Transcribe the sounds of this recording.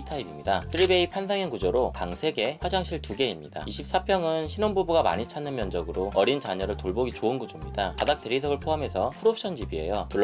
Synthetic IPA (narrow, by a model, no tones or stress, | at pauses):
tʰaibimɲidasʰɯɾibe̞ipʰans̬ʰaŋjʌnɡud͡ʑoɾopaŋsʰe̞ɡe̞ɸwad͡ʑaŋɕʰiɭtuɡe̞imɲida̰iɕʰip̚s͈apʰjʌŋɯnɕʰinonbubuɡama̰ɲit͡ɕʰanːɯnmjʌnd͡ʑʌɡɯɾoʌɾint͡ɕaɲʌɾɯɭtoɭboɡit͡ɕoɯnɡud͡ʑomɲidakadak̚t͈e̞ɾisʰʌɡɯɭpʰoɦame̞sʰʌpʰuɾopʰɕʰʌnd͡ʑibie̞̰jotuɭː